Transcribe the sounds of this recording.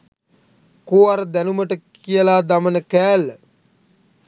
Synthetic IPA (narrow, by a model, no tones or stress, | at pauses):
koːaɾəd̪ænuməʈəkijəlaːd̪amənəkæːlːə